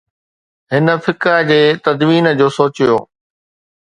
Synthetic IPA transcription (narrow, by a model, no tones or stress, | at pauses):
ɦɪnə̆fʰɪkəd͡ʑeːt̪ɐd̪ʋiːnəd͡ʑoːsoːt͡ɕijo̰ː